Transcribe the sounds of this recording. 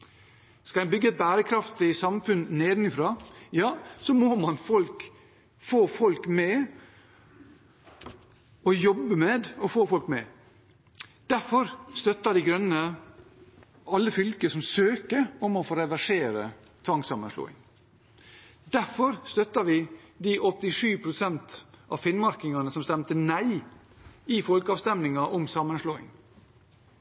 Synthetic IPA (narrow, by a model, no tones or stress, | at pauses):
skɑæbʏɡːəɛt̪̚bæːɾəkʰɾɑft̪ɪsɑmfʉnneːd̪nɪfɾɑːjɑːsɔmomɑnfɔlk | foːfɔlkmɛ | ɔjɔbːəmɛd̪ɔfoːfɔlkmɛ | d̪̥æɾfɔɾst̪œt̪ːəd̪iɪɡɾœnːə | ɑlːəfʏlkəsɔmsøːkəɔmɔfoːɾɛʋæʂeːɾə | t̪ʰɑŋksɑmənʂlo̰ːɪ̰ŋ | d̪̥æɾfɔɾst̪œt̪ɑʋɪd̪iʔɔt̪ːɪʂʉːpʰɾʊsɛnt̪ʔɑ̰fɪnmɑɾkɪŋɑnəsɔmst̪ɛmt̪ənæɪ | ɪfɔlkɑːʋst̪ɛmnɪŋɑʔɔmsɑmənʂloːɪ̰ŋ